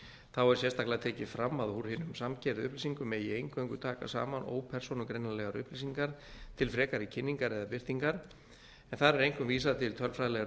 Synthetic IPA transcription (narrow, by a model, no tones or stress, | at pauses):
θawɛɾ̥sjɛst̪aklaɣt̪ʰɛːcɪfɾamːaðhuɾhɪːnʏmsamcʰɛɾðʏ̰hplisiŋkʏmɛðiejŋkvœŋkʏt̪ʰaːka̰sa̰ːmano̰ːwpʰɛr̥sonʏkɾejnalɛɣaɾʏhplis̬iŋkaɾ̥t̪ʰɪlfɾɛːkaɾicʰɪnːiŋkaɾɛðapɪr̥t̪iŋkaɾ̥ | ɛnθaɾɛɾejŋkʏmviːsaðt̪ʰɪlt̪ʰœlfɾaðlɛɣa